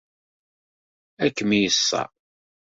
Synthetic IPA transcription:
ækːəmijəsːɑ̰

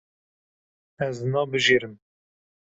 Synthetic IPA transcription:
ɛznɑːbɨʒeɾɨm

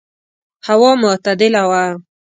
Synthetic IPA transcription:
hawɑmʊt̪ad̪ɪlawa

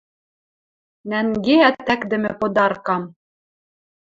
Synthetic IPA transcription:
næŋɡeæt̪ːækd̪ɘ̆mɘ̆pŏd̪ɑɾkɑm

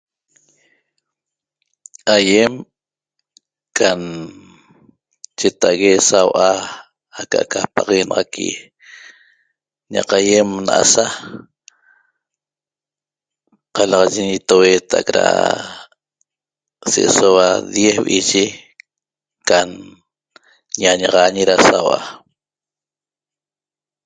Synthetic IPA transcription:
ajem | kʰan | t͡ʃet̪aʔɣesawʔa | aka̰ʔkapaʁenɑʁɑkʰḭ | ɲa̰qajemnaʔa̰sa | qɑlɑʁɑʒeɲit̪oweːt̪a̰kɾa̰ | seʔesowad̪jehβʔiʒe | kan | ɲaɲɑʁɑɲiɾasawʔa

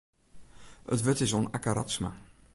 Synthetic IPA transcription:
ə̰tʋøtɪsoːnakaɾa̰sma̰

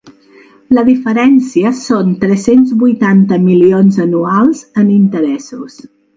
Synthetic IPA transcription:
ləðifəɾɛnsiəsont̪ɾɛsenzβujt̪ant̪əmilionzənualˠzənint̪əɾɛsus

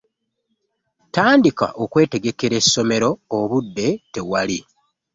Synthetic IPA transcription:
taːndika̰ʔo̞kwe̞ːte̞ɡe̞ke̞ɾe̞sːo̞me̞ɾo̞ːβudːe̞te̞wali

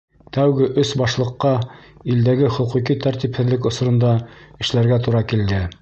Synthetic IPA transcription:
t̪æwɡɘʔɵsbɑʃlˠɤ̆qːɑild̪æɡɘχɵ̆quqit̪æɾt̪iphɘ̆ðlɘkŏs̆ɾŏnd̪ɑɘ̆ʃlæɾɡæt̪uɾɑkild̪ɘ

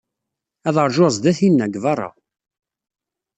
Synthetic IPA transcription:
æðəɾˤʒozˤd̪æθinːæɡvɑɾˤɑ̰

